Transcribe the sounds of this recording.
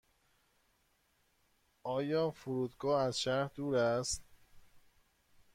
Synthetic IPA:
ʔɒːjɒːfuɾuːd̪ɡɒːæzʃæɾhd̪uːɾæst̪

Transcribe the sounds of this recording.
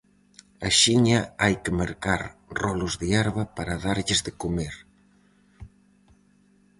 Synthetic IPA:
ɐʃiɲɐajkɪmaɾkaɾrɔlʊzðɪaɾβapaɾaðaɾʎɪzðɪkomeɾ

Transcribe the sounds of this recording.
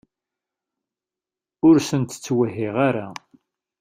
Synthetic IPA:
ʊɾsənt̪ə̥t͡sːwəɦːɪʁaɾa

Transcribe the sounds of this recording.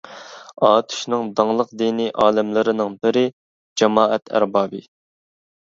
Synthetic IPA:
ɑːt̪ʰy̥ʃnɨŋd̪ɑŋlˠəqd̪iːniʔɑːlɪmlɪɾɪnɪŋbɪɾɪ | d͡ʒɛmɑːʔɛt̪ʰæ̰ɾbɑːbɨ

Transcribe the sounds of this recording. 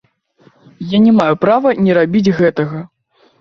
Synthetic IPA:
janʲɛmajupɾavɐnʲɛɾabʲid͡zʲɣɛt̪ɐɣɐ

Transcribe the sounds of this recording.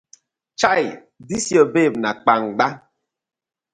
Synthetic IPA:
t͡ʃaj | disjɔbep̚nak͡paŋɡ͡ba

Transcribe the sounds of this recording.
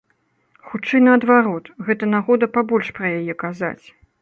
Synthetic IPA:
xut͡ʂɛjnɐɐd̪vaɾɔt̪ɣɛt̪ɐnaɣɔd̪ɐpabɔlʲʂpɾɐjajɛkaza̰t͡sʲ

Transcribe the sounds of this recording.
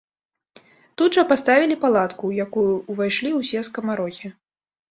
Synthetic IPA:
t̪ud̪ʐɐpast̪avʲilʲipalˠat̪kujakujuːvajʂlʲiwsʲɛskɐmaɾɔxʲi

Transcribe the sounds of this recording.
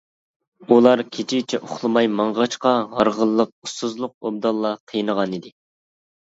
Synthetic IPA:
ulˠɑɾkʲʰet͡ʃʰit͡ʃʰɛʔoχlˠɨmɑjmɑɴʁɑt͡ʃqɑʁɑɾʁəlˠːəq̚ust̪ːuzlˠʊq̚ob̚d̪ɑlˠːɑqʰəjɨnəʁɑnid̪ɪ

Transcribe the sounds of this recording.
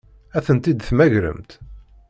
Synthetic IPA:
æθənt̪id̪θmæʝɾə̰mt̪

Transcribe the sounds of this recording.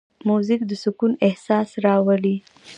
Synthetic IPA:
muzik̚d̪əsʊkunɪhsɑsɾɑwali

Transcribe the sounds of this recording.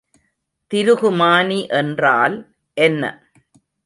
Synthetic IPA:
t̪ɪɾɯɣɯmaːniʔɛndraːl | ʔɛnːɐ̰

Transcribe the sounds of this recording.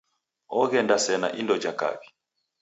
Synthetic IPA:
ɔɣɛndasɛna̰ʔindɔd͡ʒaka̰βi

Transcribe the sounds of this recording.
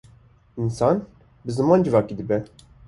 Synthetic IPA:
ʔinsɑːn | bɨzɨmɑːnd͡ʒɨvɑːkiːd̪ɨbɛ

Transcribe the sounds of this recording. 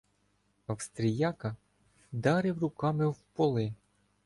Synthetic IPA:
ɐwst̪ɾʲɪjɑkɐ | d̪ɑɾɪwrʊkɑmɪwpɔlˠɪ

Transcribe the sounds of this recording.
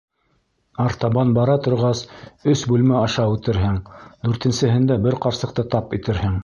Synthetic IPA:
ɑɾt̪ɑβɑnbɑɾɑt̪ŏɾʁɑsɵsbʉlmæɑʃɑʉt̪ɘ̆ɾɦɘŋd̪ʉɾt̪ɘ̆nsɘ̆ɦɘ̆nd̪æbɘɾqɑɾsɤ̆q̚t̪ɤt̪ɑpit̪ɘ̆ɾhɘŋ

